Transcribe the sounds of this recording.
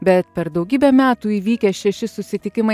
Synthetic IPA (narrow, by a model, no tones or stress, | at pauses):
bʲɛt̪pʲɛɾd̪ɒʊɡʲiːbʲɛmʲæːt̪uːiːʋʲiːkʲɛʃʲɛʃʲɪsʊsʲɪt̪ʲɪkʲɪmɐ